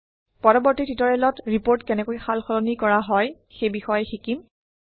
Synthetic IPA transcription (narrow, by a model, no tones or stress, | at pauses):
pɔɹɔbɔɹtititɔɹɛlɔtɹipoɹtkɛnɛkojxalxɔlɔnikɔɹaɦɔj | xejbixɔjɛxikim